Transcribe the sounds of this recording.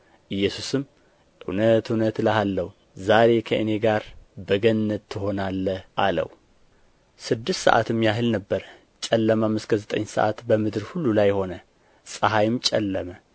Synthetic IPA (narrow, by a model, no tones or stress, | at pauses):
ʔɨjːɛsusɨm | ʔɨwnət̪ɨwnət̪ləhalːəhu | zaɾe̞kʰəʔɨne̞ɡaɾbəɡənnːət̪ʰːɨho̞nalːəhʔalə̰wu | sɨd̪ːɨst̪sə̰ʔa̰t̪ʰɨmːjaɦɨlnəbːəɾə | t͡ʃʼɛlːəmamːɨskʰəzət̪ʼə̰ɲːsə̰ʔa̰t̪bəmɨd̪ɨɾhulːulajːho̞nə | sʼəɦajɪmt͡ʃʼɛ̰lːəmə